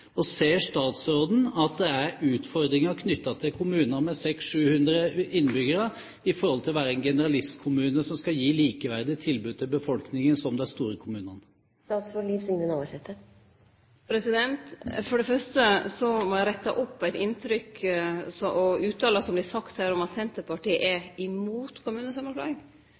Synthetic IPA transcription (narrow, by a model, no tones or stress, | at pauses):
ɔseːʂt̪ɑːt̪sɾoːd̪n̩ɑt̪̚d̪ɛæɾʉːt̪fɔɾd̪ɾɪŋɑkʰnʏt̪ːɑt̪ʰɪlkʰʊmʉːnəɾmɛsɛksʂʉːhʉnd̪ɾəʔɪnːbʏɡəɾə | ɪfɔɾhɔlt̪ʰɪlɔʋæːɾəɛnɡɛnəɾɑlɪst̪kʰʊmʉːnəsɔmskɑjiːliːkəʋæɾd̪ɪt̪ʰɪlbʉːd̪̚t̪ʰɪlbəfɔlknɪŋənsɔmd̪ɛnst̪uːɾəkʰʊmʉːnɑn | st̪ɑːt̪sfɔɭifsɪŋənɑːʋɑsɛt̪ʰːə | pʰɾɛsɪd̪ɛnt̪fɔɖɛfœʂʈəsɔmɔjæɪɾɛt̪ːɑʔɔpːæɪt̪ɪnt̪ɾʏksɔʔɔʉːt̪ːɑːlɑsɔmblɪsɑkt̪hæːɾɔmɑsɛnt̪əpɑʈiːə̰ʔɛɪmuːt̪kʰʊmʉːnəsɑmːənflɑ̰ːɡɪŋ